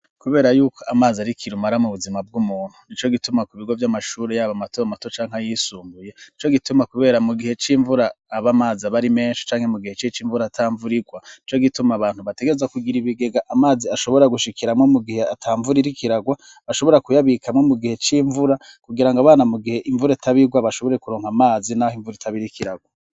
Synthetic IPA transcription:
kuβe̞ːɾajuːkʰo̞amaːziaɾikʰiɾumaɾamuβuzimab̚ɡumuːn̥unit͡ʃo̞ɡitumakuβiɡo̞vjamaʃuːɾejaβamato̞amato̞t͡ʃaːŋ̥ajisuːmbuje̞nit͡ʃo̞ɡitumakuβe̞ːɾamuɡihe̞t͡ʃiːɱvuɾaːβamaːzaβaɾime̞ːnʃi̥t͡ʃaːŋ̥he̞muɡihe̞t͡ʃit͡ʃiːɱvuɾatʰaːɱvuɾiɡwanit͡ʃo̞ɡitumaβaːnhuβateɡe̞ezakuɡiɾiβiɡe̞ɡaʔamaːziaʃo̞βo̞ɾaɡuʃikiɾamŋo̞muɡihe̞atʰaːɱvuɾiɾikiɾaɡwa | βaʃo̞βo̞ɾakujaβikʰamŋo̞muɡihe̞t͡ʃiːɱvuɾakuɡiɾaŋɡaβaːnamuɡihe̞ʔiɱvuɾaitaβiɡwaβaʃo̞βo̞ɾe̞kuɾo̞ːŋ̥hamaːzinahoiɱvuɾaitʰaβiɾikiɾaɡwa

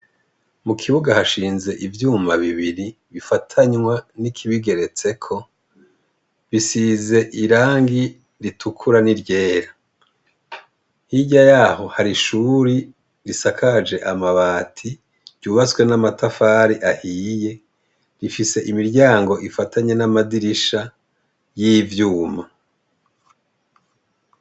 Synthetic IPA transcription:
mukʰiβuɡahaʃiːnze̞ʔivjuːmaβiβiɾi | βifatʰaɲwanikʰiβiɡe̞ɾe̞t͡se̞kʰo̞ | βisiːze̞ʔiɾaːŋɡi | ɾitʰukʰuɾaniɾɟe̞ːɾa | hiɟajaːho̞haɾiʃuɾi | ɾisakʰad͡ʒe̞ʔamaβaːtʰi | ɾɟuːβat͡swe̞namatafaːɾiʔahiːje̞ | ɾifise̞ʔimiɾɟaːŋɡo̞ʔifatʰaɲe̞namadiɾiʃa | jiːvjuːma

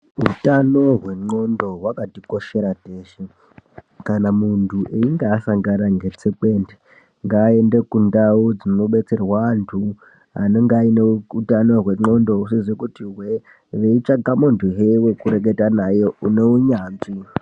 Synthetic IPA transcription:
ɦutano̞ɦwe̞ŋ͡ǃo̞ndo̞ɦwakatiko̞ʃe̞ɾateːʃe | kanamuntʰuʔeiŋɡeːsaŋɡanaŋɡe̞t͡seke̞ːnde | ŋɡaːe̞nde̞kundaod͡zinnoɓe̞t͡se̞rwantʰu | ɦa̰neŋɡaineutano̞rwe̞ŋ͡ǃo̞ndo̞usezwekutiwe | ʋeit͡ʂaɡamuntʰuɦewekuɾe̞k̬e̞tanajo̞une̞uɲaːnzi

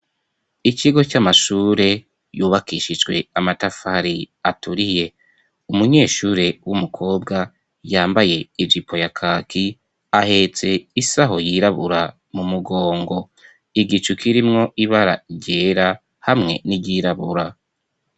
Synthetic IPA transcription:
iciɡo̞camaʃuːɾe̞ | juːβakiʃid͡ʒɡwe̞̰amatafaɾi | atuɾije̞ | umuɲe̞ːʃuːɾe̞wumukʰo̞ːbɡa | jaːmbaje̞ivipʰo̞jakʰaːkʰi | ahe̞t͡se̞isaɦo̞jiɾaβuɾa | mumuɡo̞ːŋɡo̞ | iɡit͡ʃukʰiɾimŋo̞ʔiβaɾa̰iɟe̞ːɾa | hamŋe̞̰niɟiɾaβṵɾa

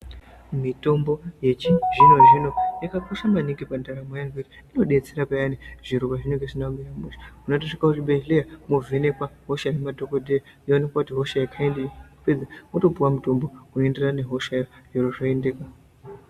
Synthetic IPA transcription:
mito̞mbo̞je̞t͡ʃiʐino̞ʐino̞jakakoʃamaniŋɡipandaɾamojanveriino̞ɗe̞t͡seɾapajaniʐ̥iɾokaʐinoɡesinaumirameʃḁmunot̬oʂikakutibʱeʒlijamovʱene̞kwaɦo̞ʃanemadʱokodʱeja | jonekwakutiɦo̞ʃajakʰaenkuped͡zamoto̞puwamuto̞mbomuenderane̞ɦo̞ʃajojoroʐaendekwa

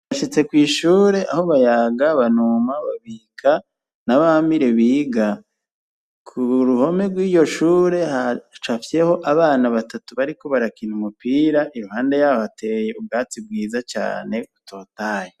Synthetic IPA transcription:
βaʃit͡se̞kwiːʃuːɾe̞ʔaho̞βajaːɡaβanumaβaβiːkʰa | naβahamiɾe̞βiːɡa | kʰuɾuho̞me̞ɾɡwiːjo̞ʃuːɾe̞hat͡ʃafe̞ho̞ʔaβaːnaβatatuβaɾiko̞βaɾakinumupiːɾaʔiɾuhaːnde̞jahoate̞je̞ub̚ɡaːt͡sib̚ɡiːzat͡ʃa̰ːne̞utʰo̞ːtaːje

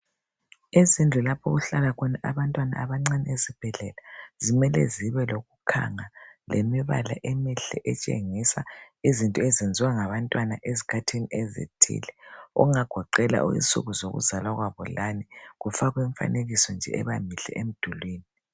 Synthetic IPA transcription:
izind͡ɮʱulapʰɔ̰ɣuɬalaɣʰɔnaʔaβantʼwana̰ːβaŋ͡ǀaniezib̥ʱɛɮɛlazimɛlɛ̰ziβɛloɣukʰa̰ŋalʔemiβa̰la̰ʔemiɬɛʔɛt͡ʃʼḛŋisa | izintʼɔɛzend͡zʱiwaŋaβantʼwanaʔezikʰatʰiniezḭtʰḭːlɛɔ̰ŋaɡ̥ʱɔǃɛla̰ʔṵḭsʼṵɣuzoɣṵzalwaɣwaβɔlaniɣufaɣwɛɱfa̰neɣisɔnd͡ʒʱɛ̰ɛβa̰miɬɛ̰ʔem̩d̥ʱulwiːni

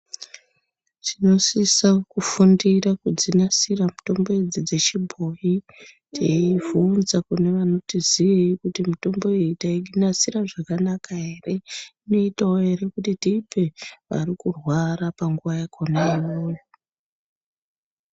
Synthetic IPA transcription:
tino̞sisakufundirakud͡zinasiramuto̞mbo̞ed͡zid͡ze̞t͡ʃibʱo̞ji | tʰeivunzakune̞ʋano̞tiziʋikutimito̞mbo̞etaiɡʱinasiɾaʐakanakaɦe̞re̞ino̞itaoɦe̞ɾe̞kutitiːpe̞ʋa̰rikurwaɾapaŋɡuʋajakʰonaijo̞ːjo

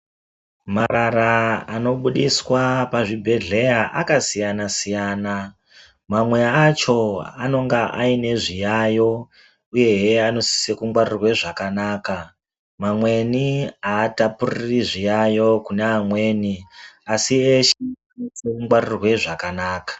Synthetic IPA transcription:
maɾaɾaano̞ɓuɗiswapaʐibʱe̞ɮe̞jaʔakasijanasijaːna | mamwe̞at͡ʃo̞ano̞ŋɡaʔaine̞ʐijajo̞ | uje̞ɦeano̞si̥se̞kuŋɡwaɾirwe̞ʐakanaːka | mamwe̞niaːtapuririʐijajo̞kuneamwe̞ːniasieʃeanosekuŋɡwarirwe̞ʐakanaːkḁ

